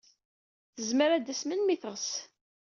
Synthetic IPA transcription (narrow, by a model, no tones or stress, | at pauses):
θəzməɾæd̪əsmənmiθəʁs